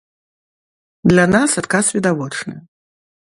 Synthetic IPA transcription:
d̪lʲanasat̪kasvʲid̪avɔt͡ʂnɨ̰

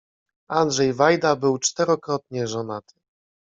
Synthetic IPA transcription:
and̪ʐɛjvajd̪abɘwt͡ʂt̪ɛɾɔkɾɔt̪ɲɛʐɔnat̪ʰɘ̥

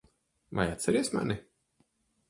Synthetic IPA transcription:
ma̰jat̪sɛɾiɛsma̰ni

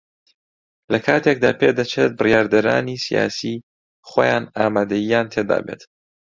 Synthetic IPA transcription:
lɐkʰaːt̪ʰek̚d̪aːpʰeːd̪ɐt͡ʃʰet̪̚bɨrjaːɾd̪ɐɾa̰ːnisija̰ːsiː | χojaːnaːmaːd̪ɐjijaːnt̪ʰed̪a̰ːbet̪

